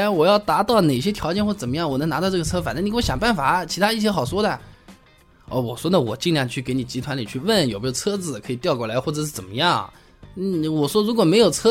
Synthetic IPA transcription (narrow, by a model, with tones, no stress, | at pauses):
wɔ˨˩jɑ˥˩ʊt̪a˧˥t̪ɑ˥˩ʊne˨˩ɪɕjɛ˥t̪ʰjɑ˧˥ʊt͡ɕjɛ˥˩nxwɔ˥˩˥ə˨˩mə˦jɑ˥˩ŋwɔ˨˩n˧˥ŋna˧˥t̪ɑ˥˧ʊʈ͡ʂɤ˥˩ɡə˧t͡sʰɤ˥fa˨˩nə˥ni˧˥wɕjɑ˨˩ŋpa˥˩nfa˨˩˦t͡ɕʰi˧˥t̪ʰa˥i˥˩t͡ɕ̬ʰjɛ˥xɑ˨˩ʊʂwɔ˥d̪ə˨ | ɔ˥˩wɔ˨˩ʂwɔ˥d̪ə˨wɔ˨˩t͡ɕi˥˧ŋljɑ˥˧ŋt͡ɕʰy˥˩ke˧˥ɪni˨˩t͡ɕi˧˥t̪ʰwa˧˥nli˨˩t͡ɕʰy˥˧wə˥˩njpu˧˥o˥˧˩t͡sʰɤ˥d͡zɹ̩˨˩kʰɤ˧˥i˨˩t̪jkwɔ˥˩la˧˥ɪxwɔ˥˩ʈ͡ʂɤ˨˩ʂɻ̩˥˩t͡sə˨˩mə̰˦jɑ˥˩ŋ | n̩˥˩wɔ˨˩ʂwɔ˥ɻu˧˥kwɔ˨˩me˧˥ɪjo˨˩ʊt͡sʰɤ˥